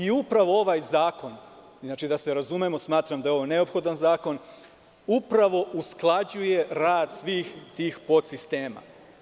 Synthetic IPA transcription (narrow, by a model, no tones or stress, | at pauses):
iupɾaʋo̞o̞ʋajzaːko̞n | znaːt͡ʃid̪aseɾazumemo̞smaːt̪ɾamd̪ajeo̞ʋo̞ne̞opxo̞d̪anzaːko̞n | upɾaʋo̞ʔusklˠad͡ʑuje̞ɾaːd̪sʋiːxt̪iːxpo̞t̪sist̪e̞ːma̰